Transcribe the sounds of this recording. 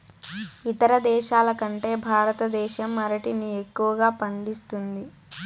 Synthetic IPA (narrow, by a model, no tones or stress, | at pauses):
it̪ɐɾɐd̪ɛːʃaːlɐkɐɳʈe̞ːbʱaːɾɐt̪ɐd̪ɛːʃɐmːɐɾɐʈinie̞kːuʋɐɡaːpɐɳɖist̪und̪i